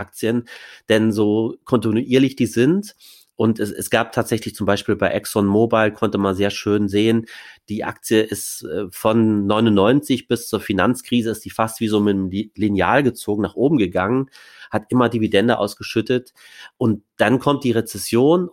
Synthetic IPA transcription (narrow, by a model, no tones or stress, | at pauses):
ʔak̚t͡siənd̥ɛnzoːkʰɔntinuʔiːɐlɪçd̥iːzɪnt | ʔʊntɛsɛ̰sɡ̥aːp̚tʰaːtz̥ɛçlɪçt͡sʊmbaɪʃpiːlbaɪʔɛksɔnmoːbaɪlkʰɔntəmanzeːɐʃøːnzeːənd̥iːʔa̰kt͡siəʔɪstʔɛːfɔnːɔʏnʊnːɔʏnt͡sɪçb̥ɪst͡suːɐfinant͡skʁ̥iːzəɪstd̥iːfastv̥iːzoːmɪtmlinja̰ːlɡət͡soːɡŋ̩naːχʔoːbm̩ɡəɡaŋən | hatʔɪmɐdividɛndəʔa̰ʊsɡ̥əʃʏtət | ʔʊntd̥ankʰɔmt̚d̥iːʁet͡sɛsjoːn